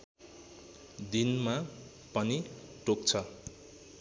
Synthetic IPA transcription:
d̪inma | pʌniʈok̚t͡sʰʌ

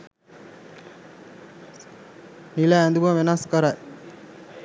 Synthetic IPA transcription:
nilæːnd̪uʋəʋenaskəɾaj

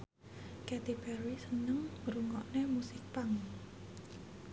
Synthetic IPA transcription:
kɛt̪ipɛɾisənəŋɾuŋɔʔnemusɪk̚paŋ

